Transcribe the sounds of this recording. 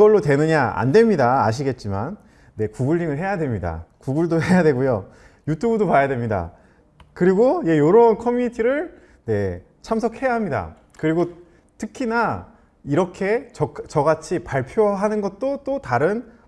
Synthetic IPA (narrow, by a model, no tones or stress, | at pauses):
ɡʌɭːotwe̞nɯɲaa̰ndwe̞mɲida̰ːɕ̬ʰiɡe̞t̚t͡ɕ͈imanː | e̞kuɡuʎːiŋɯɭɦe̞jadwe̞mɲida̰kuɡuɭdoɦe̞jadwe̞ɡujo | jutʰubudopajadwe̞mɲida̰ | kɯɾiɡoje̞joɾonkʰʌmjuɲitʰiɾɯɭ | ne̞ | t͡ɕʰams̬ʰʌkʰhe̞jaɦamɲida̰ | kɯɾiɡo | tʰɯkʰina | iɾʌkʰe̞t͡ɕʌt͡ɕʌɡat͡ɕʰipaɭpʰjoɦanɯnɡʌt̚t͈ot͈otaɾɯn